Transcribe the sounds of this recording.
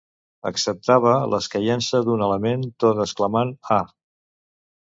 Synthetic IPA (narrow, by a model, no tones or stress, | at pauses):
ə̰ksəp̚t̪aβ̞ələskəjansəd̪unələment̪ot̪əskləmana